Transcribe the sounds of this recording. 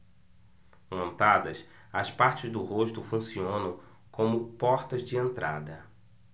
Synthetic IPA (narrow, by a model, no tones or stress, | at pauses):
mõnt̪ad̪ɐs | ɐspaɾt͡ʃɪzd̪ʊhoʃt̪ʊfũsiõnɐ̃w̃ | kʰõmʊpɔɾt̪ɐzd͡ʒɪẽnt̪ɾa̰d̪ɐ